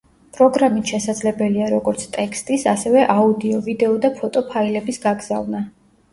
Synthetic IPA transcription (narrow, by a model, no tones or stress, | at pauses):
pʼɾɔɡɾamit̪ʃɛsad̪zlɛbɛliaɾɔɡɔɾt̪sʰt̪ʼɛkʰst̪ʼisasɛvɛʔaud̪iɔvid̪ɛɔd̪apʰɔt̪ʼɔpʰailɛbisɡaɡz̥a̰vna